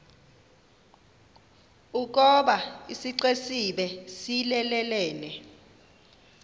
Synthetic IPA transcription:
uk̬ɔɓaisiǀesiɓɛsilɛlɛlɛːnɛ

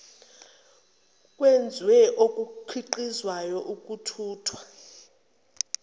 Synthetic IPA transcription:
kʼwend͡zʱwɛʔokʼuǃʰiǃizwajɔʔukʼutʰuːtʰwa

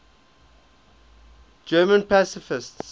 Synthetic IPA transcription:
d͡ʒɜːmə̃npasɪfɪsts

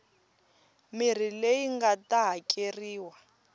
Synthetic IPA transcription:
mir̤ilejiŋɡataɦakʼeriːwa

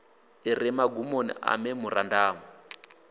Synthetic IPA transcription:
irɛmaɡumonḭʔa̰mɛmurandaːmu

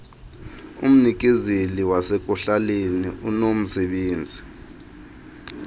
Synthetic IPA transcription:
ṵm̩nik̬ʼizeliwasek̬ʼuɬaleniʔunom̩sɛɓeːnd͡zʱi

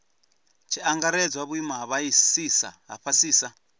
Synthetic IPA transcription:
t͡ʃʰiaŋɡaɾɛd͡zwaβuimaɦaβaisiːsa̰ɦa̰ɸasiːsa

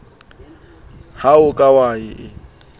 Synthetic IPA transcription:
haʊkʼawaɪʔɪ

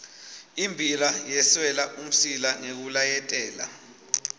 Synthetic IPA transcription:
imbʱilajɛswɛlaʔum̩silaŋek̬ulajɛtʼɛːla̰

